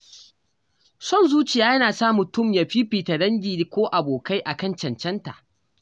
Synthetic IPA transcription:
sɔ˦˨nzuː˦t͡ʃɪ˨jaː˦jɐ˦naː˨saː˦mʊ˨tʊ˦˨mja˨ɸiː˦ɸiː˨ta˨dɐ˦ŋɡʲiː˨di˦kʷoː˦ʔa˨boː˨ka˦jʔa˨kɐ˦˨nt͡ʃɐ˨nt͡ʃɛ˦nta̰˨ʔ

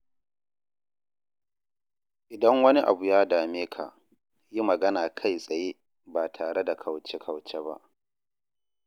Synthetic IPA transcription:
ʔɪ˨dɐ˦ŋwɐ˦ni˦ʔa̰˨bu˨jaː˦daː˨meː˦kʰa̰˨ | ji˦mɐ˨ɡɐ˦naː˨kʰa˦˨jsʼɐ˨jeː˦ | ba˨tʰaː˨ɽe˦da˨kʰɐ˨wt͡ʃe˦kʰɐ˨wt͡ʃe˦ba̰˦ʔ

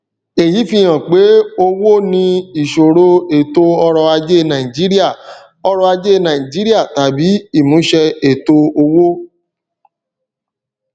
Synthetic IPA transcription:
e˨ji˨˦fĩ˧˦j̃ã˨k͡pe˨˦o˧wo˦nĩ˧i˨ʃo˨ɾo˧e˨to˧ɔ˦ɾɔ˧a˧d͡ʒe˦nã˨ĩ˨d͡ʒi˨˦ɾi˦a˦˨ | ɔ˦ɾɔ˧a˧d͡ʒe˦˨nã˨ĩ˨d͡ʒi˨˦ɾi˦a˦˨ta˨bi˨˦i˦˨mũ˨˦ʃɛ˧e˨to˧o˧wo˦

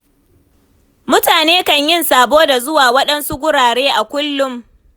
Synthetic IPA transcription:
mʊ˦taː˨neː˦kɐ˨ɲjɪ˦nsaː˨boː˦da˨zʊ˦waː˨wɐ˦ɗɐ˦nsu˦ɡʷʊ˦ɽaː˨ɽeː˦ʔa˨kʷʊ˦lːʊ˦m

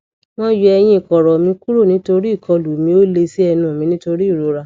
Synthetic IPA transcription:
mɔ̃˦ju˧ɛ˧j̃ĩ˧˨kɔ˨ɾɔ˨mĩ˧ku˦ɾo˦˨nĩ˨˦to˧ɾi˦˨kʰɔ˧lu˨˦˨mĩ˧o˦le˧si˦ɛ˧nũ˨mĩ˧nĩ˦to˧ɾi˦˨ɾo˨˦ɾa˧

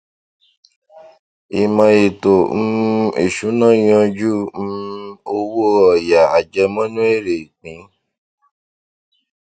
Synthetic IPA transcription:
i˨mã˧i˨to˨m̩˦ḛ˦˨ʃu˨˦nã˦j̃ɔ̃˧d͡ʒu˦m̩˦o˧wo˦ɔ˨ja˨a˨d͡ʒɛ˧mã˦nũ˦e˦˨ɾe˨i˨k͡pĩ˨˦

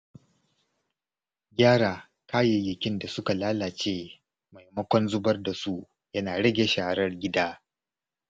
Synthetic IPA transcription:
ɡʲaː˦ɽaː˨ | kʰaː˦jɪ˨jɪ˨kʲɪ˦nda˨sʊ˦ka˨laː˦laː˨t͡ʃeː˦ | ma˨jmɐ˦kʷɔ˦nzʊ˦bɐ˦rda˨su˦ | jɐ˦naː˨ɽɐ˦ɡʲeː˨ʃa˨a˨ɾɐ˦rɡʲɪ˦daː˦

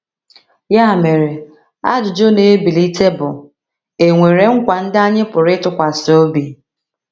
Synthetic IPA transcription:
ja˦˨me˨ɾe˨ | a̰˦dʊ˨d͡ʒo˦ne˨˦bi˨li˦te˦bʊ˨ | e˨ŋʷe˨ɾe˨ŋ̩˦kʷa˨n̩˦da˦ɲɪ˦pʊ˨ɾɪ˦tʊ˦kʷa˨so˦bi˨

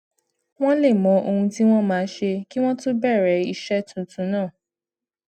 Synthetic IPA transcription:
w̃ɔ̃˦le˦˨mɔ̃˨˦ʔo˧hũ˧ti˦w̃ɔ̃˦mãː˨˦˧ʃe˧ki˦w̃ɔ̃˦to˦bɛ˦˨ɾɛ˨˦i˧ʃɛ˦tũ˨tũ˨˦nãː˦˨

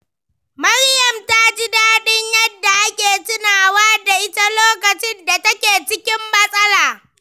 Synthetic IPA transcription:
mɐ˦ɽjɐ˨mta˦d͡ʒɪ˦daː˦ɗɪ˦ɲjɐ˦dːa˨ʔa˦kʲeː˨tɪ˦naː˨waː˦da˨ʔɪ˦ta˦loː˦kɐ˨t͡ʃɪ˦nda˨tɐ˦kʲeː˨t͡ʃɪ˦kʲɪ˦mːɐ˦sʼɐ˦laː˨

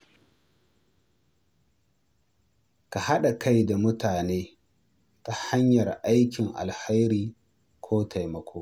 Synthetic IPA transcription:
ka˨ha˦ɗa˨kʰa˦jda˨mʊ˦taː˨neː˦ | ka˨ha˦ɲjɐ˨rʔa˦jkʲɪ˨ŋʔa̰˨lha˦jɾiː˦ | kʷʰoː˦tʰa˨jmɐ˨kʰʷoː˦

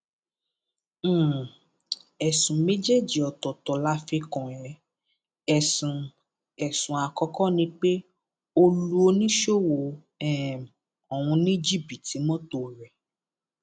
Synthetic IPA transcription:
ɛ˨sũ˨me˦d͡ʒe˦˨d͡ʒi˨ɔ˨tɔ˨tɔ˨la˨˦fe˧kɔ̃˨jɛ˨˧ | ɛ˨sũ˨ | ɛ˨sũ˨a˨kɔ˧kɔ˦nĩ˧k͡pe˦ | o˧lu˦o˧nĩ˦ʃo˦˨wo˨ | ɛ˦˨m˨ | ɔ˨w̃ũ˧nĩ˦d͡ʒi˦˨bi˨ti˨˦mɔ̃˦to˦˨ɾɛ˨

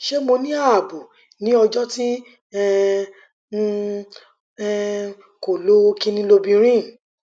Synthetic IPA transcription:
ʃe˦mo˧nĩ˦a˦˨bu˨ | nĩ˨˦ɔ˧d͡ʒɔ˦ti˦ | ɛ˦˧˦ | ɛ˦˧ | ko˨lo˨˦o˧kĩ˦˧nĩ˧lo˧bĩ˧ɾ̃ĩ˦˨

